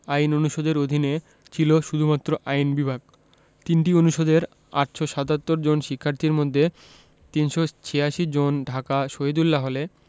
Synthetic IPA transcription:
ajnonuʃod̪eɾod̪ʱine | t͡ɕʰiloʃud̪ʱumat̪ːɾoʔajnbibʱaɡ | t̪inʈionuʃod̪eɾ | a̰ʈʃoʃat̪at̪ːoɾd͡ʑonʃikʰːaɾt̪ʰiɾmod̪ʱːe | t̪inʃot͡ɕʰeaʃid͡ʑonɖʱakaʃoɦed̪ulːaɦole

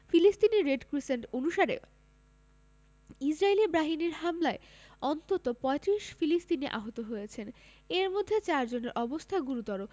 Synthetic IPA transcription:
filist̪iniɾeɖkɾiseɳʈonuʃaɾḛ | isɾaelibɾaɦiniɾɦamlae | ɔnt̪ot̪opɔet̪ɾiʃfilist̪iniʔa̰ɦot̪oɦojet͡ɕʰen | eɾmod̪ʱːet͡ɕaɾd͡ʑoneɾʔɔbost̪ʰaɡuɾut̪ɔɾo

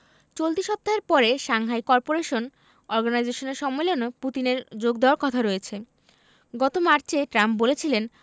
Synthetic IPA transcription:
t͡ɕolt̪iʃɔb̚t̪aɦeɾpɔɾeʃaŋɦajkɔɾpoɾeʃon | ɔɾɡanajd͡ʑeʃoneɾʃɔmːelonoput̪ineɾd͡ʑoɡd̪aaɾkɔt̪ʰaɾoet͡ɕʰe | ɡɔt̪omaɾt͡ɕeʈɾamp̚bolet͡ɕʰilen

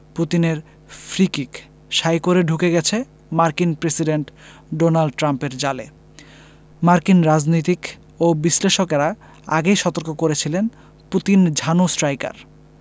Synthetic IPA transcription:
put̪ineɾ | fɾikik | ʃajkoɾeɖʱukeɡɛt͡ɕʰe | maɾkinpɾesiɖeɳʈ | ɖonalɖ̚ʈɾampeɾd͡ʑale | maɾkinɾad͡ʑnojt̪̬ik | obiʃleʃokeɾa | a̰ɡejʃɔt̪oɾkokoɾet͡ɕʰilen | put̪ind͡ʑʱanosʈɾajka̰ɾ

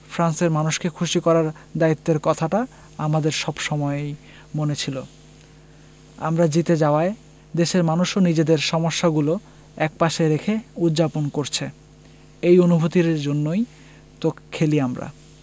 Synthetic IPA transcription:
fʰɾanseɾmanuʃkekʰuʃikɔɾaɾd̪ait̪ːeɾkɔt̪ʰaʈa | amad̪eɾʃɔbʃɔmɔeej | monet͡ɕʰilo | a̰mɾad͡ʑit̪ed͡ʑaoae | d̪eʃeɾmanuʃonid͡ʑed̪eɾʃɔmoʃːaɡulo | ɛk̚paʃeɾekʰeut̪ːd͡ʑaponkoɾt͡ɕʰe | ejonubʱot̪iɾd͡ʑonːoj | t̪okkʰːeliamɾa̰

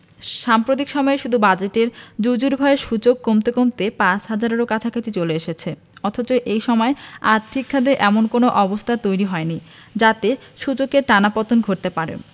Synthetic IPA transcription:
ʃampɾot̪̬ikʃɔmɔeʃud̪ʱubad͡ʑeʈeɾd͡ʑud͡ʑuɾbʱaeʃut͡ɕokːomt̪ekomt̪epat͡ɕɦad͡ʑaɾeɾokat͡ɕʰakʰat͡ɕ̪it͡ɕoleeʃet͡ɕʰe | ɔt̪ʰot͡ɕojʔejʃɔmɔeaɾt̪ʰikʰːad̪eʔɛmonkonoʔɔbost̪ʰat̪ojɾiɦɔenid͡ʑat̪eʃut͡ɕokeɾʈanapɔt̪onɡʱoɾ̚t̪epaɾḛ

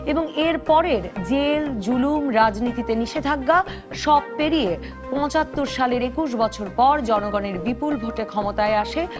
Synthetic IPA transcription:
eboŋeɾpɔɾeɾd͡ʑeld͡ʑulumɾad͡ʑnit̪it̪eniʃed̪ʱaɡːa | ʃɔb̚peɾije | pɔ̃t͡ɕat̪ːoɾʃaleɾekuʃ̬bɔt͡ɕʰoɾpɔɾd͡ʑɔnoɡɔneɾbipulbʱoʈekʰɔmot̪aeaʃe

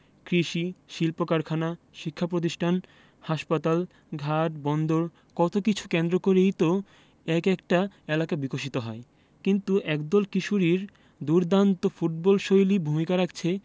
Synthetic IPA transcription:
kɾiʃiʃilpokaɾkʰana | ʃikʰːapɾot̪̬iʃʈʰan | haʃpat̪al | ɡʱaʈbɔnd̪oɾ | kɔt̪okit͡ɕʰu̥kend̪ɾokoɾejt̪o | ɛkɛkʈaelakabikoʃ̬it̪oɦɔ̰e | kint̪uʔɛkd̪ɔlkiʃuɾiɾ | d̪uɾd̪ant̪ofuʈ̚bɔlʃojlibʱumikaɾakt͡ɕʰe

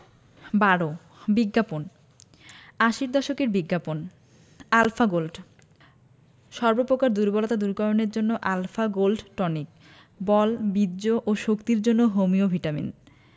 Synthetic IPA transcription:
baɽo | biɡːapon | aʃiɾd̪ɔʃokeɾbiɡːapon | alfaɡolɖ | ʃɔɾbopɾokaɾd̪uɾbɔlot̪ad̪uɾkɔɾoneɾd͡ʑonːoʔalfaɡolɖʈɔnik̚ | bɔlbid̪ʑoʔoʃokt̪iɾd͡ʑonːoɦomiobʱiʈamḭn

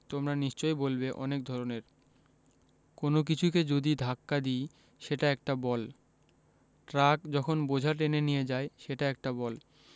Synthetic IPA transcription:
t̪omɾaniʃt͡ɕojbolbeʔɔ̰nek̚d̪ʱɔɾoneɾ | konok̬it͡ɕʰuked͡ʑod̪id̪ʱakːad̪ij | ʃeʈaɛk̚ʈabɔl | ʈɾakd͡ʑɔkʰonbod͡ʑʱaʈ̬enenijed͡ʑaeʃeʈaɛk̚ʈabɔl

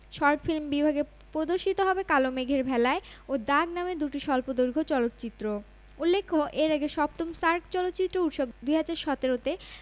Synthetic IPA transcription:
ʃɔɾʈfilmbibʱaɡe | pɾod̪oɾʃit̪oɦɔbekalomeɡʱeɾbʱɛlae | od̪aɡnamed̪uʈiʃɔlpod̪oɾɡʱot͡ɕɔlot̪ːt͡ɕit̪ːɾo | ulːekʰːoʔeɾaɡeʃɔbt̪omst̪aɾkt͡ɕɔlot̪ːt͡ɕit̪ːɾout̪ʃoɡd̪ujɦad͡ʑaɾʃɔt̪eɾot̪e

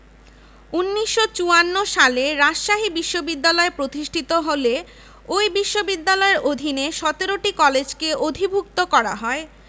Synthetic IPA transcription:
unːiʃːot͡ɕuanːoʃaleɾaʃaɦibiʃːobid̪ːalɔepɾot̪iʃʈʰit̪oɦole | ojbiʃːobid̪ːalɔeɾʔod̪ʱineʃɔt̪eɾoʈikɔled͡ʑkeod̪ʱibʱuk̚t̪okɔɾa̰ɦɔe

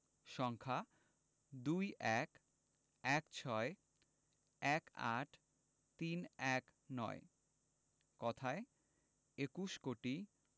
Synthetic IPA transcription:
ʃɔŋkʰa | d̪ujʔɛk | ɛkt͡ɕʰɔe | ɛka̰ʈʰ | t̪inɛknɔ̰e | kɔt̪ʰae | ekuʃkoʈi

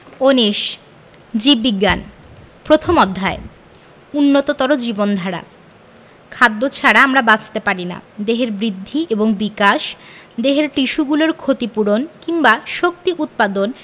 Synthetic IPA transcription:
oniʃ | d͡ʑibbːiɡːan | pɾot̪ʰomɔd̪ʱːae | unːot̪ot̪ɔɾod͡ʑibond̪ʱaɽa̰ | kʰad̪ːot͡ɕʰaɽaamɾabat͡ɕʰt̪epaɾina̰d̪eɦeɾbɾid̪ʱːiʔeboŋbikaʃd̪eɦeɾʈiʃuɡuloɾkʰot̪ipuɾonkiŋbaʃok̚t̪iʔut̪̚pad̪on

